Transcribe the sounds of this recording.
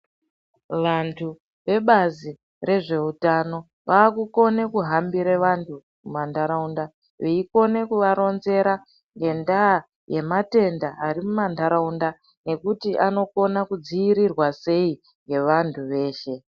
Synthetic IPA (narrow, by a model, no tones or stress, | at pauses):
ʋantʰu | ʋe̞ɓazi | re̞ʐe̞utano̞ | ʋaːkuko̞ne̞kuɦambiɾeʋantʰu | mumandʱaɾaunda | ʋeiko̞ne̞kuʋaɾo̞nze̞ɾa | ŋɡe̞ndaː | je̞mate̞ndaaɾimumandʱaɾaunda | ne̞kutiʔano̞ko̞nakud͡ziiɾirwase̞i | ŋɡe̞ʋantʰuʋe̞ːʃe̞